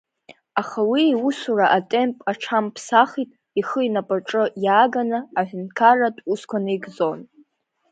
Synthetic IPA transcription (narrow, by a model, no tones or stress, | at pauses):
aχawiwusuraʔatʼe̞mpʼaʈ͡ʂʰampʰsaχitʼ | iχəinapʼaʈ͡ʂʼɨjaːɡanaaħʷᶣʊnkʰaratʼuskʷʰanɨjɡzo̞n